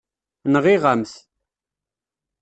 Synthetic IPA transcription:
nəʁiʁəmθ

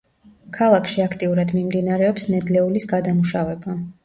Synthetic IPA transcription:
kʰalˠakʰʃiakʰt̪ʼiuɾad̪mimd̪inaɾɛɔpsnɛd̪lɛulisɡad̪amuʃavɛba

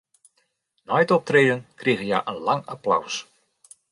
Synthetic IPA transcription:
nɔjtɔp̚treːdənkriːɣəja̰ʔənlaŋapla̰ws

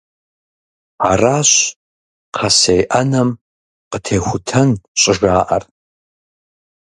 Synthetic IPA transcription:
araːɕ | qʰɐsejʔɐnɐm | qətʰeːxʷʊtʰɐnɕʼɪʒaːʔɐr

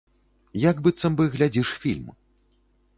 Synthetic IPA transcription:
jaɡbɨt̪sɐmbɨɣlʲad͡zʲiʂfʲilʲm

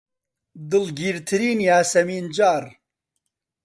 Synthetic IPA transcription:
d̪ɨlɡiːɾt̪ʰɨɾiːnjaːsɐmiːnd͡ʒaːɾ

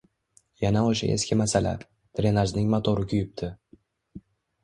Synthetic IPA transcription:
janaoʃa̰ʔe̞̰skʲʰɪmasala̰ | t̪ʰɾe̞naʒnɪŋmat̪ʰoɾɪkʲʰʊjɪp̚t̪ʰɪ

